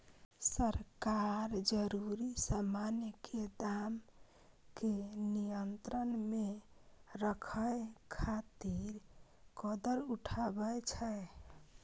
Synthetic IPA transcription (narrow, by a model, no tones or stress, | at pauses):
səɾkaɾd͡ʒəɾuɾisəmanjkʰed̪am | kenijənt̪ɾənme | ɾəkʰəjkʰat̪iɾ | kɔd̪əɾuʈʰabət͡ʃʰɛ